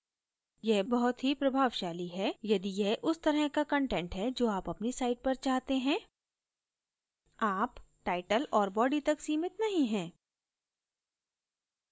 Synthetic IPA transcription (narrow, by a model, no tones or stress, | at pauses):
jɛbɐɦʊt̪ɦipɾɐbʱaːʋʃaːliɦɛjɐd̪ijɛʔʊst̪ɐɾəɦkakɐ̃ɳʈɛ̃ɳʈɦɛd͡ʒoːaːpɐpnisaːɪʈ̚pɐɾt͡ʃaːɦt̪eɦɛ̃ː | aːpʈaːɪʈəlɔːɾbɔːɖit̪ɐksiːmɪt̪nɐɦĩɦɛ̃ː